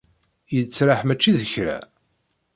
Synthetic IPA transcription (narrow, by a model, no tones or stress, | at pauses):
jət͡sːɾaħmæt͡ʃːiðəçɾa̰